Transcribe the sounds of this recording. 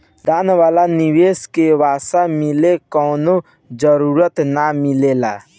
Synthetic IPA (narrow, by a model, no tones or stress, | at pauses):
d̪aːnʋaːlaniweːskeʋaːsamilekɔːno | d͡ʒəɾuɾət̪namɪlela